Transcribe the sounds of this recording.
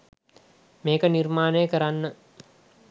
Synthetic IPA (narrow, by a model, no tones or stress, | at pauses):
meːkɐniɾmaːneːkɐɾanːə